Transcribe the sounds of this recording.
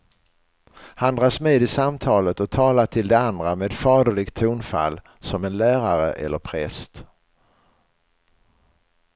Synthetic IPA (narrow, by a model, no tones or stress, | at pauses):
hand̪ɾɑːsmeːd̪ɪsamt̪ʰɑːlət̪ɔt̪ʰɑːlaʈʰɪld̪ɛand̪ɾameːd̪fɑːd̪əɭɪɡt̪ʰuːnfa̰lː | sɔmɛnlæːɾaɾə̰ʔɛ̰lːəɾpʰɾɛst̪